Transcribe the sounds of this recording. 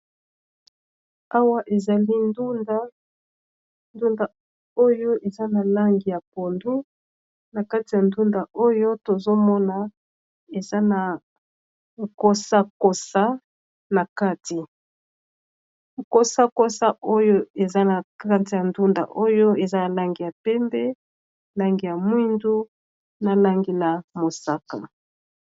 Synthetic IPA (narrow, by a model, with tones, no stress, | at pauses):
a˦wa˦ʔe˨za˨li˦ndu˦nda˦ | ndu˦nda˨ | o˦jo˦ʔe˨za˦na˨la˦ŋɡi˨ja˨po˨ndu˦ | na˨ka˦ti˨ja˨ndu˦nda˨ʔo˦jo˦to˨zo˦mɔ˦na˨ | e˨za˦na˨ | ko˦sa˦ko˨sa˦ | na˨ka˦ti˨ | ko˦sa˦ko˦sa˦ʔo˦jo˦e˨za˦na˨ka˦ti˨ja˨ndu˦nda̰˨ʔo˦jo˦e˨za˦ja˨la˦ŋɡi˨ja˨pɛ˦mbɛ˦ | la˦ŋɡi˨ja˨mwi˦ndu˦ | na˨la˦ŋɡi˨la˨mo˨sa˦ka̰˨